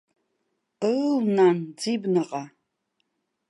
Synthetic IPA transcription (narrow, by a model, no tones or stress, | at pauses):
ənand͡ziːbnɐqʼa